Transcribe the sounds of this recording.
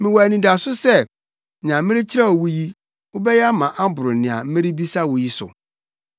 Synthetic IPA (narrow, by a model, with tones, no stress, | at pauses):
mɪ̃˨wɔ˨æ˨nĩ˨da˨sʊ˦sɛ˦ | n˨ã˨m̩˦mɪ̃˦ɾɪ˦t͡ɕʰɪ˦ɾa˦ɔ˨wu˦ji˦ | wʊ˦bɛ˦ja˦mã˨ʔa˦bʊ˨ɾʊ˨nɪ̃˨a̰˨m̩˦mɪ̃˦ɾi˦bi˦sa˦wʊ˨ji˦sʊ̰˨